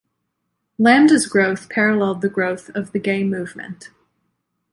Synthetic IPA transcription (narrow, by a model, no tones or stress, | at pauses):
læ̃mdɨzɡɹoʊθpʰɛɹɨlɛlˠd̪̚ðɨɡɹoʊθʌvðɨɡẽɪmʉvmɨ̰̃nt